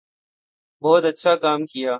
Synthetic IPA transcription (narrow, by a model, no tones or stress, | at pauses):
boːt̪ɐtːʃʰaːkaːmkɪjaː